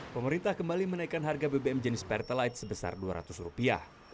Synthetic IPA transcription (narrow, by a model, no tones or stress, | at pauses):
pəməɾint̪ahkəmbalimənaikanɦarɡabebeɛmd͡ʒənɪspɛrt̪əlajt̪̚səbəsa̰rdua̰ɾa̰t̪usrupia̰h